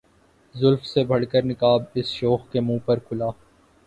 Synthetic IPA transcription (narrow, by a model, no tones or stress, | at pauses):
zʊlfsebʱɐɽkəɾnɪkaːbɪsʃɔːxkemũːpɐɾkʰʊlaː